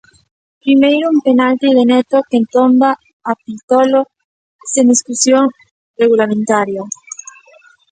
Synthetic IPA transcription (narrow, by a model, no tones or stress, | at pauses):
pɾimejɾoumpenalt̪iðenet̪okent̪ombaː | pilt̪olo | send̪iskusjoŋ | reɣulamẽnt̪aɾja